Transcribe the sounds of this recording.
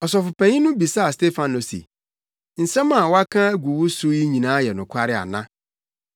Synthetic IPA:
ɔ˨sɔ˨fʊ˨pʰæ̃˨ɲĩ˦nʊ̃˦bi˨sa˦a˨ste˦fã˨no˨sḭ˨ | n̩˨sɛ̃˦mã˨wa˦kʰã˦æ˦ɡu˨wo˦su˦ji˦ɲĩ˨nãː˨˦jɛ˨nʊ̃˨kʷʰa˦ɾɪ˦a̰˨nã˦

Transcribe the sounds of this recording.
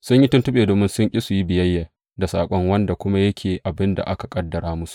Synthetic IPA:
sʊ˦ɲji˦tʊ˦ntʊ˦ɓeː˨doː˨mɪ˦nsʊ˦ŋkʲʼi˦su˨ji˦bɪ˨jɐ˦jːa˨ | da˨sa̰ː˨kʷʼɔ˦ŋwɐ˦nda˨kʷʊ˦ma˦jɐ˦kʲʰeː˨ʔa˨bɪ˦nda̰˨ʔa˦ka˨kʼɐ˦dːɐ˨ɾaː˦mʊ˦su̥˨ʔ

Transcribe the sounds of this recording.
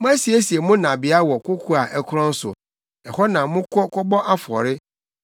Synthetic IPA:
mʊ̃˦ã˦si˨e˦si˨e˨mʊ̃˦nã˨bɪ˨a˦wɔ˨kʰʊ˦kʰu˦a˨ʔɛ˦kʰʊ˦ɾɔ̃˦n̩˦sʊ̰˨ | ɛ˨hɔ˦nã˨mʊ̃˦kʰɔ˦kʰɔ˦bɔ˦ʔa˦fʊ˨ɔ̰˨ɾɪ˦

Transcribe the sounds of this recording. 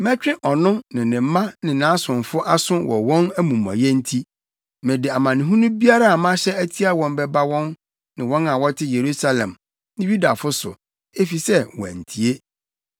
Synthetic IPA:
mɛ̃˦t͡ɕᶣɪ̃˦ʔɔ˨nʊ̃˦nɪ̃˨nɪ̃˨m̩˦mã˦nɪ̃˨nã˨˦sʊ̃˨nfʊ˦ʔa˦sʊ̃˦wɔ̰˨wɔ̃˦næ˦mũ˨m˨ã̰˨jɛ˦n̩˦tʰi˦ | mɛ̃˨dɪ˨a˨mã˨nɪ̃˨ɦũ˦nũ˦bi˦a˦ɾa˦a˨mã˦ɕɛ˦æ˦tʰi˦a˦wɔ̃˨mbɛ˦ba˦wɔ̃˦n | nɪ̃˨wɔ̃˦nã˨wɔ˦tʰɪ˦je˨ɾu˦sa˦lɛ̰̃˨m | nɪ̃˦ɥu˦da˨fʊ˦sʊ̰˨ | e˦fi˨sɛ˦wɔ̃˨æ̰˨n̩˨tʰi˨e˦

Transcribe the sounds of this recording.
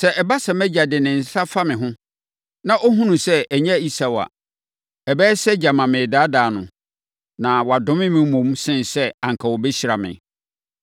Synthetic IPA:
sɛ˨ʔɛ˨ba˦sɛ˨mɛ˦d͡ʑa˨dɪ˨nɪ̃˨n̩˨sa˦fa˦mɪ̃˨ɦʊ̃˦ | nã˨ʔo˦ɦũ˦nũ˨sɛ˦˨ɲɛ̃˦˨i˦sa˨wa̰˨ | ɛ˨bɛː˦sɛ˦d͡ʑa˨mã˨mɪ̃˨daː˦daː˨nʊ̰̃˨ | nã˨wɔ˨a˨dʊ̃˦mɪ̃˦mĩ˦mũ˨˦msɪ̃˦nsɛ˦ã˨ŋkʰa˨wɔ˨bɛ˦ɕi˦ɾa˨mɪ̰̃˨

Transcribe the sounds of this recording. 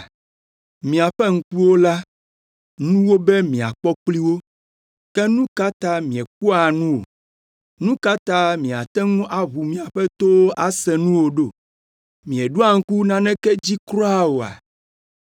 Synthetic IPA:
mĩ˨a˨ɸɛ˦ŋ̩˦ku˦wo˦la˦ | nũ˦wo˦bɛ˦mĩ˨a̰˨k͡pɔ˦k͡pli˦wo˦ | kɛ˦nũ˦ka˦t̪a˦mĩ˨ɛ˨k͡pu˦a˨nũ˦wo̰˨ | nũ˦ka˦t̪a˦mĩ˨a˨t̪ɛ˦ŋũ˦ʔa˦βu˨mĩ˨a˨ɸɛ˦t̪o˦wo˦ʔa˦sɛ˨nũ˦wo˨ɖo˦˨ | mĩ˨ɛ˨ɖu˦a˨ŋ̩˦ku˦nã˦nɛ̃˦kɛ˦d͡ʑi˦kɾɔ˦a˦wo˨a̰˨

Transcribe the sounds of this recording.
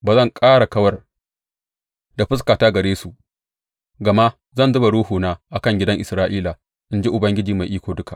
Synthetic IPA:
baː˨zɐ˦˨ŋkʼaː˦ɽa˨kɐ˦wɐ˦r | da˨ɸɪ˦skaː˨taː˦ɡɐ˨ɽeː˦su˨ʔ | ɡɐ˨ma˦ | zɐ˦nzʊ˦ba˨ɽuː˦huː˨naː˦ʔa˨kɐ˦ŋɡʲɪ˦dɐ˦ŋʔɪ˨sɾaː˦ʔiː˦la˨ | ʔɪ˦nd͡ʒi˦ʔʊ˨bɐ˦ŋɡʲɪ˦d͡ʒiː˨ma˨jʔiː˦kʷoː˨dʊ˦ka˨ʔ

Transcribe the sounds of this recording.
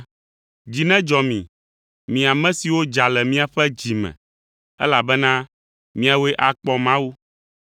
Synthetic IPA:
d͡ʑi˨nɛ̃˦d͡ʒɔ˨mĩ˨ | mĩ˨a˨mɛ̃˦si˨wo˦d͡ʒa˨lɛ˨mĩ˦a˨ɸɛ˦d͡ʑi˨mɛ̰̃˨ | ɛ̰˦la˨bɛ˦nã˦ | mĩ˦a˨we˦ʔa˨k͡pɔ˨mã˦wu˦

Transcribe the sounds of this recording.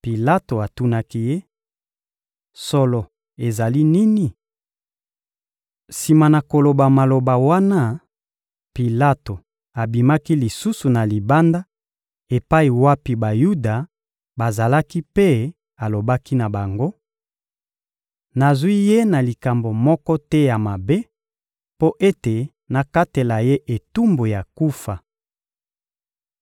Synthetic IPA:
pi˨la˦to˨a˨tu˦na˦ki˦je˦ | so˦lɔ˨ | e˨za˨li˦ni˦ni˨ | si˨ma˨na˨ko˨lo˨ba˨ma˨lo˨ba˨wa˦na˦ | pi˨la˦to˨ | a˨bi˨ma˦ki˦li˨su˦su˨na˨li˨ba˦nda˦ | e˨pa˦i˨wa˦pi˨ba˨ju˦da˨ | ba˨za˨la˦ki˦pe˦ | a˨lo˨ba˦ki˦na˨ba˨ŋɡo˦ | na˨zwi˦je˦na˨li˨ka˨mbo˨mɔ˦kɔ˦tɛ˦ja˨ma˨be˦ | po˦ʔe˦te˨ | na˨ka˦te˨la˨je˦ʔe˨tu˦mbo˨ja˨ku˦fa˨

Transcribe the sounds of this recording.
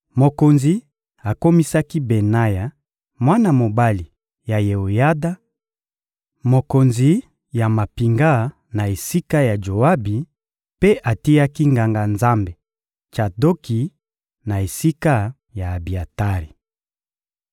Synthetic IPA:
mo˨ko˨nzi˨ | a˨ko˦mi˦sa˦ki˦be˨na˦ja˨ | mwa˦na˨mo˨ba˦li˨ | ja˨je˨o˨ja˦da˦ | mo˨ko˨nzi˨ | ja˨ma˨pi˨ŋɡa˦˨ | na˨e˨si˦ka˦ja˨d͡ʒo˨a˦bi˨ | pe˦ʔa˨ti˦a˦ki˦ŋɡa˨ŋɡa˨nza˦mbe˨ | t͡ʃa˨do˦ki˨ | na˨e˨si˦ka˦ | jaː˨bi˨a˨ta˦ʁi˨

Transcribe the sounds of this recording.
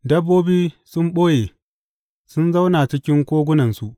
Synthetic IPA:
dɐ˦bːoː˦biː˦sʊ˦mɓoː˦jeː˨ | sʊ˦nza˦wna˨t͡ʃɪ˦kʲɪ˦ŋkʷoː˦ɡʷʊ˦nɐ˨nsu˦ʔ

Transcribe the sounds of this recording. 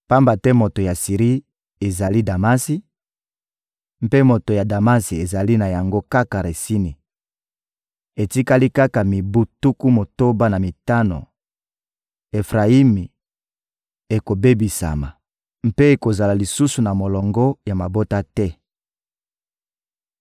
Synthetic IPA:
pa˦mba˨tɛ˦mo˨to˨ja˨si˨ʁi˦ | e˨za˨li˦da˨ma˦si˦ | m̩˦pe˦mo˨to˨ja˨da˨ma˦si˨e˨za˨li˦na˨ja˨ŋɡo˦ka˦ka˨ʁe˨si˦ni˨ | e˨ti˦ka˦li˦ka˦ka˨mi˨bu˦tu˦ku˦mo˨to˦ba˦na˨mi˨ta˦no̰˨ | e˨fʁa˨i˦mi˨ | e˨ko˨be˦bi˨sa̰˨ma̰˨ | m̩˦pe˦e˨ko˨za˨la˨li˨su˦su˨na˨mo˨lɔ˨ŋɡɔ˦ja˨ma˨bo˦ta˦tɛ˦

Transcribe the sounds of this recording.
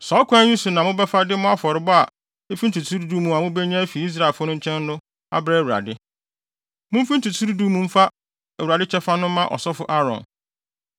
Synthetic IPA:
sɔ˨˦kʰʷã˦ɲũ˦sʊ˨nã˨mʊ̃˦bɛ˦fa˦dɪ˦mʊ̃˦a˦fɔ˨ɾɪ˨bɔ˦a˨ | e˦fĩ˦n̩˦tʰu˨tʰu˦ɾdu˦mũ˨a˨mʊ̃˦bɛ˦ɲã˦fi˨i˦s̬ɾa˦˨ɪ˨lfʊ˦nʊ̃˦ɲ̩˦t͡ɕʰɛ̃˦n˦nʊ̃˦ | a̰˦bɾɛ˦˨wu˨ɾa̰˨dɪ˦ | mʊ̃˦fi˦n̩˦tʰu˨tʰu˦ɾdu˦mũ˨m̩˦fa˦ | æ˨wu˨ɾa˨dɪ˦t͡ɕʰɛ˦fa˦nʊ̃˦mã˦ʔɔ̰˨sɔ˦fʊ˦ʔa˦ɾɔ̰̃˨n

